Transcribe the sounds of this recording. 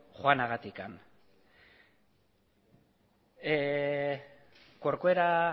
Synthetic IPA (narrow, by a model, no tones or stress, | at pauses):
χoanaɣat̪ikan | koɾkoeɾa